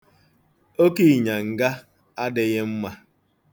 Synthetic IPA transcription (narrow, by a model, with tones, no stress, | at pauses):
o˦ki˦i˨ɲa˨ŋ̩˨ɡa˦ | a˦dɪ˨ɣɪ˦m̩˦ma˦